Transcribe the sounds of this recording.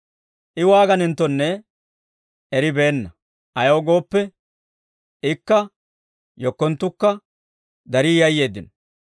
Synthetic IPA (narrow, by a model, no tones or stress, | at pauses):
ʔɪwaːɡɐnɪnt̪ːɔnːɛ | ʔɛɾɪbe̞ːnːɐ | ʔɐjowɡo̞ːpːɛ | ɪkːɐ | jɔkːɔnt̪ːʊkːɐ | d̪ɐɾiːjɐjːe̞ːd̪ːɪnɔ